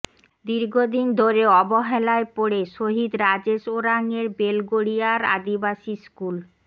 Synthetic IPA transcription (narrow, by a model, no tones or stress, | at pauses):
d̪iɾɡʱod̪ind̪ʱoɾeɔboɦelaepoɽeʃoɦid̪ɾad͡ʑeʃoɾaŋeɾbelɡoɽiaɾa̰d̪ibaʃiskul